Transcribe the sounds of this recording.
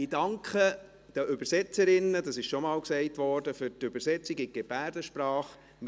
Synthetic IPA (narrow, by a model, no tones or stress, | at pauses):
idɑŋkχə | d̥əʔʏbəɾsɛt͡səɾɪnːədɑsɪʃʃɔmɑːlksɛɪtʋɔːɾd̥əfʏɾtøbəɾsɛt͡siɡɪɡ̥eb̥æːɾdəʃpɾɑːχ | m